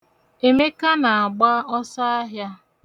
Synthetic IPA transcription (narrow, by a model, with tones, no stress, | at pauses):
e˨me˦ka˦na˨a˨ɡ͡ba˦ɔ˦sa˦a˦ɦja˦